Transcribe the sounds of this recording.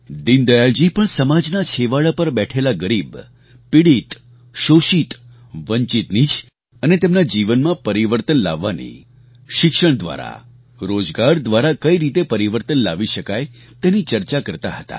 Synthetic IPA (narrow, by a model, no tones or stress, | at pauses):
d̪ind̪əjald͡ʒipəɳsəmad͡ʒnat͡ʃʰeʋaɭapəɾbɛʈʰelaɡəɾib | piɽit̪ | ʃoʃit̪ | ʋəɲt͡ʃit̪nid͡ʒ | ənet̪emnad͡ʒiʋənmãpəɾiʋəɾt̪ənla̰ʋːanḭ | ʃɪkʃəɳ̃d̪ʋa̰ɾa̰ | ɾod͡ʒɡaɾd̪ʋaɾakəiɾit̪epəɾiʋəɾt̪ənlaʋiʃəkaj | t̪enit͡ʃəɾt͡ʃakəɾt̪aɦət̪a̰